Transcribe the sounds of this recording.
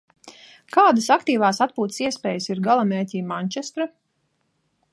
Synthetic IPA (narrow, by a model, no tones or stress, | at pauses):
kaːd̪asakt̪iːvaːsat̪̚puːt̪siɛspeːjəsiɾɡalˠameːɾcʲiːmaɲt͡ʃɛst̪ɾa